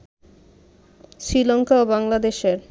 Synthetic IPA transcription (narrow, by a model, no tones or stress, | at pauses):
sɾilɔŋkaobaŋlad̪eʃeɾ